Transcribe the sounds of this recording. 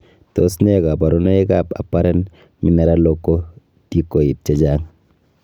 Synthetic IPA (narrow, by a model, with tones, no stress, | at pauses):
to˨˦sne˦ka˨pa˨ɾo˦no˦e˦ka˨pa̰˨pːa˦ɾɛ˦n | mi˦na˦ɾa˦lo˦kːo˦ | ti˦kːo˨i˨t̚t͡ʃe˦d͡ʒaː˦ŋ